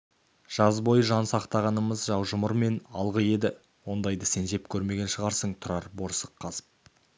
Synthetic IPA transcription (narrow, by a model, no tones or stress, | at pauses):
ʒ̥ɑzbo̞jʒɑnsɑqt̪ɑʁɑnəməzʒɑwʒəmʊɾme̞nɑlˠʁəje̞d̪ɪ | wo̞nd̪ɑjd̪əse̞nʒe̞p̚kʲʰɵɾme̞ɡʲe̞nʃəʁɑɾsəɴt̪ʰʊɾɑɾboɾsəqʰːɑzə̥p̚